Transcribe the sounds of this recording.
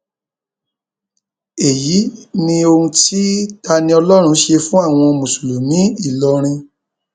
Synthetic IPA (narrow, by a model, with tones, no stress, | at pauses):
e˨ji˨˦nĩ˧o˧ũ˧ti˦ta˧nĩ˧ɔ˧lɔ˦ɾ̃ũ˧ʃe˧fũ˦a˦˨w̃ɔ̃˧mũ˨su˨lu˨mĩ˨˦i˦˨lɔ˧ɾ̃ĩ˧